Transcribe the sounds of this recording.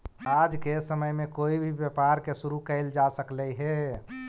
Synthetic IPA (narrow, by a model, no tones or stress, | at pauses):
ad͡ʒkesəməjmekoibʱibjapaɾkesuɾukəɪld͡ʒasəkləjɦe